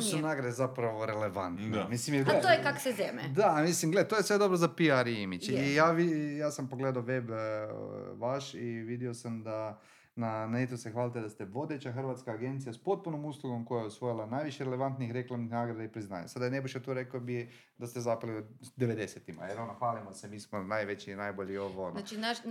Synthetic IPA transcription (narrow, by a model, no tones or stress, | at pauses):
sunaːɡɾad̪ezapɾaʋoɾele̞ʋant̪nimislimjeɡat̪oekaksezemḛd̪amislimɡlet̪oːjesʋe̞d̪o̞bɾozapiaɾiimit͡ʃijaːʋijaːsampo̞ɡleːd̪aoʋe̞b | ʋaʃiʋid̪iosamd̪a | nanaet̪osexʋaːlt̪ed̪ast̪eʋo̞d̪e̞t͡ɕaxr̩ʋat̪skaːɡe̞nt̪sijaspo̞t̪̚punomuslˠuɡo̞mko̞jajeosʋo̞jilˠanaːjʋiʃjeɾeleʋant̪nixɾe̞klˠamnixnaːɡɾad̪eipɾizna̰ːɲa̰sad̪ajenebiʃat̪oɾekobije | d̪ast̪ezapaliod̪eʋed̪e̞set̪ima̰jeɾonoxʋaːlimosemiːsmonajʋet͡ɕinajboʎioʋoninaʃ